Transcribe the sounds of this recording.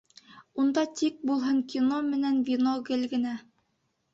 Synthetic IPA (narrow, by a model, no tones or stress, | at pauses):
und̪ɑt̪ik̚bulˠɦɤŋkʲinomɘ̆nænvʲinoɡɘlɡɘ̆næ